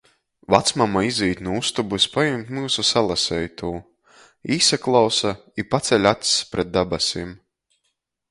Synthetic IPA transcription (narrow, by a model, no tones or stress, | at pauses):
vat̪smamaiziːt̪nuust̪ubusʲpajumt̪muːsusalˠasɛjt̪uː | iːsaklˠawsa | ipat̪sɛlʲat̪spɾɛt̪̚d̪abasʲim